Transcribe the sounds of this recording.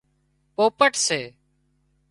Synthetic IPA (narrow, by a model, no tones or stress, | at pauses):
poːpəʈseː